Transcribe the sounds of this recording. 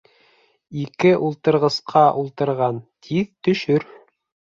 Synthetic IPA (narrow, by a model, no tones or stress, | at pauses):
ikɘʔulˠt̪ɤ̆ɾʁɤ̆sqʰɑʔulˠt̪ɤ̆ɾʁɑnt̪ʰiðt̪ɵ̆ʃɵɾ